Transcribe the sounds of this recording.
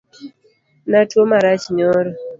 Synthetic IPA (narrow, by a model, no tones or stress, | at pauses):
natwomaɾat͡ʃiɲɔɾɔ